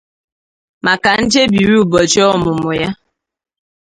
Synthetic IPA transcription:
ma˨ka˨˦n̩˦d͡ʒe˦bi˨wi˦u˨bɔ˨d͡ʒɔ˦˨mo˨mo˨ja˦

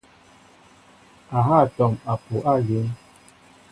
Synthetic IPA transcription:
a˨ɦa˦˨tɔ˨ma˨pu˨ʔa˦˨ɡe˨˦n

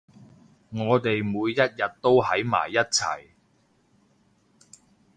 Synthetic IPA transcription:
ŋɔː˨˧t̪e˨jmuː˨˧jːɐ˥t̚jɐ˨t̚t̪o˥whɐ˨˥jma̰ː˨˩jːɐ˥t̚t͡sʰɐ̰˨˩j

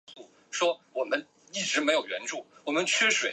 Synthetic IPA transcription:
u˥˩ | ʂwɔ˥wɔ˨˩mə˦n | i˥˩ʈ͡ʂɻ̩˧˥me˧˥ɪjo˨˩ʊɥɛ˧˥nʈ͡ʂu˥˩wɔ˨˩mə˦nt͡ɕʰɛ˥ʂwe˨˩

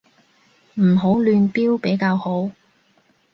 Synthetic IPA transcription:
m̩˨˩ɦo˨˥wlyː˧npiː˥wpe˨˥jkaː˧who˨˥w

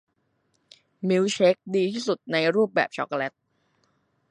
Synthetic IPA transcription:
mi˦˥wt͡ɕʰe˦˥k̚diː˧t̪ʰiː˥˩su˨˩t̪̚na˧jɾuː˥˩p̚bɛ̰ː˨˩p̚t͡ɕʰɔ̰˦˥k̚le˦˥t̪̚

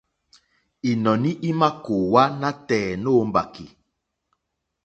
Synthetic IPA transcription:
i˨nɔ˨ni˦ʔi˦ma˦ko˨wa˦na˦tɛː˨no˦m˦ba̰˨ki˨

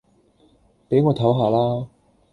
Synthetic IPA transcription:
pe˨˥jŋɔː˨˧t̪ʰɐ˨˥wɦaː˨˧laː˥

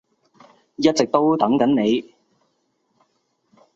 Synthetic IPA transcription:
jɐ˥t̚t͡sɪ˨k̚t̪o˥wt̪ɐ˨˥ŋkɐ˨˥nne˨˧j

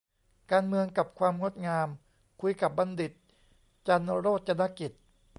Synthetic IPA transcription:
kaː˧nmɯ˧əŋka˨˩p̚kʰwaː˧mŋo˦˥˩t̪̚ŋaː˧m | kʰu˧jka˨˩p̚ba˧ndi˨˩t̪̚ | t͡ɕa˧nɾoː˥˩t̪̚t͡ɕa˧na˧˥ki˨˩t̪̚

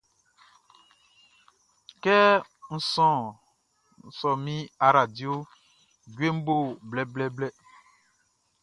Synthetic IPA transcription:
kɛ˦n̩˦sɔ̃˦˨ | n̩˦˨sɔ̃˨mĩ˦a˨ɾa˨di˦o˦ | ɟe˦m̩˦bo˦˨blɛ˨blɛ˦blɛ˦

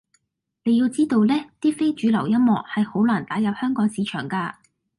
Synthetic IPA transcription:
ne˨˧jiː˧wt͡siː˥t̪o˧wlɛː˥t̪iː˥fe˥jt͡ʃyː˨˧˥lɐ˨˩wjɐ˥nmɔː˨k̚hɐ˨jho˨˥wlaː˨˩nt̪aː˨˥jɐ˨p̚hœː˥ŋkɔː˨˥ŋsiː˨˧t͡ʃʰœː˨˩ŋkaː˧

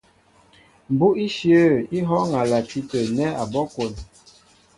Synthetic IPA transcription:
m˨bu˦i˦ʃjə˦i˦ɦɔ˦ŋa˨la˨ti˦tə˨nɛ˦a˨bɔ˦ko˨n

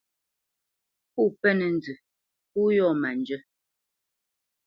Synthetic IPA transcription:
pu˦˨pɛ˦nɛ˨n˨d͡zʉ˨ | pu˦jɔ˦˨ma˨nd͡ʒə˦

